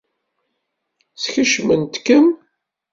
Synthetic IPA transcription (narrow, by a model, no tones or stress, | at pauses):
t͡sçəʃmənt̪kəm